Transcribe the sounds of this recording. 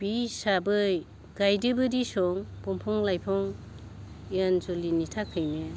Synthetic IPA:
b̥isabɯj | ɡajdɯbɯɾisɔŋb̥ɔmpʰɔŋlajpʰɔŋ | janzolinitʰakʰɯjne

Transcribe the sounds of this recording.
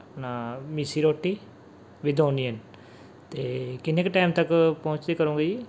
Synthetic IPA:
naːmisiːɾoːʈːiː | ʋɪd̪oːniən | t̪eːkɪnekʈaːɪmt̪əkpɔʊ̃t͡ʃd̪iːkəɾũːŋɡid͡ʒiː

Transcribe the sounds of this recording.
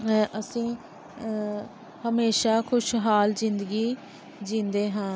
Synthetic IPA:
əsĩː | həmeːʃaːkʰʊʃɦaːlzɪ̃nd̪əɡiː | d͡ʒĩːnd̪eːɦãː

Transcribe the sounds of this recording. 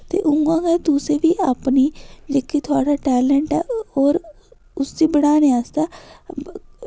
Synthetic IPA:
t̪ḛːʔʊŋɡãːɡɛːt̪ʊseːʋiːʔapniːd͡ʒekːiːt̪ʰʊaːɽaːʈɛːləɳʈɛːɔːɾ | ʊsd̪iːbəɽaːneaːst̪aː

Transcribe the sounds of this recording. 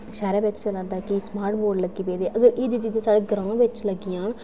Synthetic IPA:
ʃɛːɾaːbɪt͡ʃsəɾãːnd̪aːkɪsmaːɾʈ̚boːɖləɡiːpeːd̪eːʔəɡəɾɪd͡ʒd͡ʒid̪ẽːsaːɽeːɡəɾãːʋɪt͡ʃləɡːiːãːn

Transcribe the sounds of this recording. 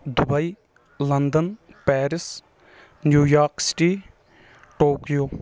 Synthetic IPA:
d̪ʊbəiː | lənd̪ənpɛːɾɪs | njuːjaːɾksɪ̥ʈiː | ʈoːkijoː

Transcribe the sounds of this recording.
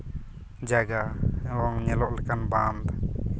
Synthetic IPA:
d͡ʒaɡawɔŋɲəlɔʔləkanband̪

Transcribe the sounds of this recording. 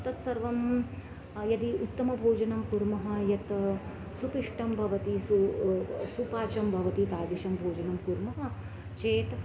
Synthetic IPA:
t̪ɐt̪sɐɾʋɐm | jɐd̪iʔut̪ːɐmɐbʱoːd͡ʒɐnɐmkuɾmɐɦɐ̆jɐt̪ | supiʂʈɐmbʱɐʋɐt̪isu | supaːt͡ʃɐmbʱɐʋɐt̪it̪aːd͡ʒiʃɐmbʱoːd͡ʒɐnɐmkuɾmɐɦɐ̆ | t͡ʃeːt̪

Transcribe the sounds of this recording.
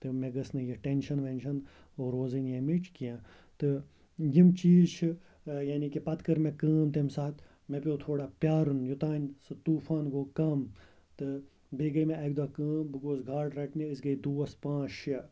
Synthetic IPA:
t̪ɨmẽɡɐsnɨjɐʈenʃɐnʋenʃʰɐn | oɾoːzinjẽmit͡ʃʰkijã | t̪ɨ | jimt͡ʃiːzt͡ʃʰɨ | jaːnikipɐt̪kɐɾmẽkəːmt̪emsaːt̪ | mẽpʲoːt̪ʰoːɽaːpjaːɾunjut̪aːnʲsɨt̪uːfaːnɡoːkɐm | t̪ɨ | beːɡɐmẽɐɡ̚d̪aːkəːmbɨkoːsɡʱaːʈɾɐʈʰnʲiɨsɡɐjd̪uːɐspãːt͡ʃʰɐ

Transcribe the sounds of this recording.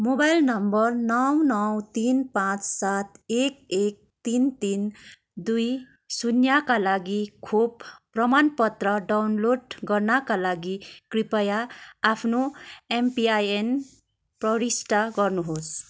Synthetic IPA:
mobajlnʌmbʌrnʌwnʌwt̪inpãt͡ssat̪ʰek̚ek̚t̪int̪in | d̪uj | sunjakalaɡikʰob̚prʌmanpʌt̪ɾʌɖawnloɖɡʌɾnakalaɡikɾipʌjaːpʰnoempiajen | prʌɾisʈaɡʌɾnuɦos

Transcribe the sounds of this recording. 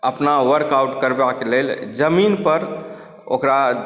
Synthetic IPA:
əpnaʋəɾkawʈkəɾbakeleld͡ʒəminpəɾ | o̰kɾa

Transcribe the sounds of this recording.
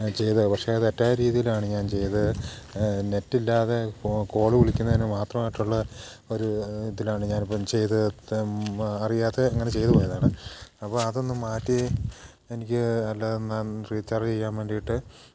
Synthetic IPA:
t͡ɕe̞jt̪ɨpɐkʂeɐðɨetːaːɾiːðijilaːɳɨɲaːnt͡ɕe̞jt̪ɨ | ne̞tːilːaːðe̞ko̞ːɭɨkiɭikʲːunːɐðinːemaːt̪rɐmaːjiʈːuɭːɐ | o̞ɾut̪ːilaːɳɨɲaːnipːɐmt͡ɕe̞jt̪ɨ | ɐrijaːðeɐŋːɐnet͡ɕe̞jt̪ɨpoːjɐðaːɳɨɐpːoːɐðo̞nːɨmaːtːi | enikʲːɨɐlːanaːnriːt͡ɕːart͡ɕe̞jːaːmʋeɳɖijiʈːɨ

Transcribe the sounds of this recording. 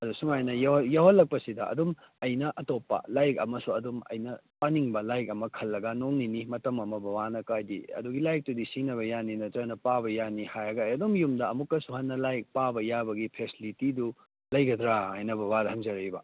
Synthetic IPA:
ɐdusumajnɐjajawhɐlːɐk̚pɐsidɐɐ̰dum | ɐjnɐʔɐtopːɐ̰lajkɐ̰mɐsuɐdumɐ̰jnɐpaniŋbɐlajkɐmɐkʰɐlːɐɡɐnoŋninimɐtɐmɐmɐbɐbanɐkajdḭɐ̰duɡilajk̚tudisinɐβɐjaninɐtɐnɐpabɐjanihajɐɡɐɐjɐdumjumdɐɐmukːɐsuɦanːɐlajk̚pabɐjabɐɡipʰesilitidu | lɐjɡɐdɾaːjnɐbʱɐbadɐɦɐŋzɐɾɐibɐ

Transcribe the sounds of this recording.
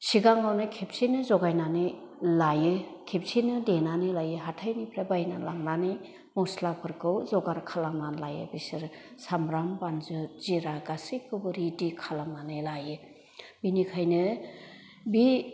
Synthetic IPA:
siɡaŋawnɯkʰep̚sinɯzɔɡajnani | lajɯkʰep̚sinɯdenanilajɯɦatʰajnipʰɾabajnalaŋnani | mɔslapʰɯɾkʰɯwzɔɡaɾkʰalaŋnanlajɯ̰bisɯɾsamɾambanzɯziɾaɡasikʰɯbɯɾidikʰalaŋnanɯjlajɯ | binikʰajnɯ | bi

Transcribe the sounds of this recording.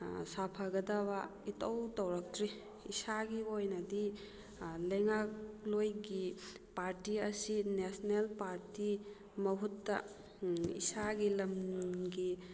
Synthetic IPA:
sapʰɐɡɐdabaitɐwtɐwɾɐk̚tɾi | isaɡiojnɐdi | lɐjŋaklojɡi | paɾtiɐsinesnelpaɾti | mɐɦutːɐ̰ | ḭsaɡilɐmɡi

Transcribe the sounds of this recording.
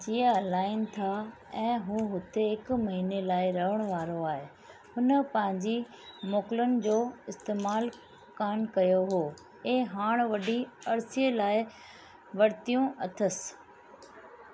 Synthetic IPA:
d͡ʑiːə̃laːɪnt̪ʰa | ɛ̃ːɦũːɦʊt̪ʰeɦɪkmɐɦiːnelaːɪɾɐɦəɽ̃ʋaːɾoaːɦe | ɦʊnə̆pɐ̃ɦɪ̃ɲd͡ʑi | moːkɪlənɪ̆d͡ʑoːɪst̪eːmaːl | kaːnkɐjoɦoː | eːɦaːɽ̃ʋɐɖʱiɐɾsielaːɪ | ʋɐɾt̪ijũʔɐt̪ʰəs

